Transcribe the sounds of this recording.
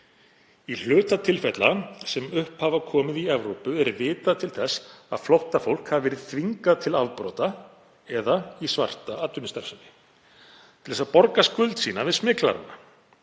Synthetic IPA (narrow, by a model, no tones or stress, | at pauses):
il̥ʏːt̪at̪ʰɪlfɛt̪lasɛmʏhphavakʰɔːmɪðiɛvɾowpʏɛɾvɪːt̪aðt̪ʰɪlθɛsːa̰ðflowht̪afowl̥khavavɛːɾɪðθʰviŋkat̪ʰɪlavpɾɔ̰ːt̪a | ɛðaisva̰r̥t̪aat̪ːʏnɪst̪aɾ̥sanɪ | t̪ʰɪlðɛsapɔɾkaskʏlt̪sḭːnavɪðsmɪːkla̰ɾa̰nːa